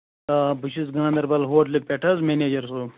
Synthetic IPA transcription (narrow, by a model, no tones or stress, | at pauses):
abuʃisɡãːnd̪ɐɾbɐlɦoːʈlipʲeʈʰɐzmeneːd͡ʒɐɾso